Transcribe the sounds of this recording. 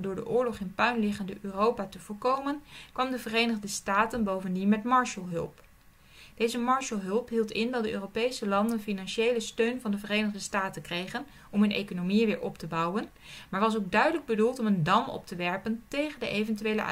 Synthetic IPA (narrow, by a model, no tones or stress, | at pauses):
dʊːɹdə̰ʔʊːɹlɔχɪnpœɥnlɪχəndəʔøːrowpatəvʊːɹkowmənkʋɑmdəvərejnəχdəstaːtənbowvəndinmɛtmɑɹʃəlˠɦɵ̰lˠp | d̥ejzəmɑɹʃəlˠɦɵlˠpɦilˠtɪndɑtdəʔø̰ːrowpejsəlɑndənfinɑnʃejləstøɥnvɑndəvərejnəχdəstaːtənkrejχən | ɔmɦɵnḛjkonowmiʋɪːɹʔɔptəbɑwən | maːɹʋɑs̬owɡ̚dœɥdələɡ̚bədulˠtɔməndɑmɔ̰p̚təʋɛɹpəntejχəndə̰ʔejvɛntyʋelə̰ʔ